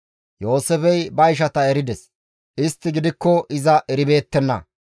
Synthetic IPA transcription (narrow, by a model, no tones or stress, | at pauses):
jo̞ːsɛfɛjbɐɪʃ̬ɐt̪ɐɛɾɪd̪ɛs | ʔɪst̪ːɪɡɪd̪ɪkːɔʔɪzɐʔɛɾɪbe̞ːt̪ːɛnːɐ̰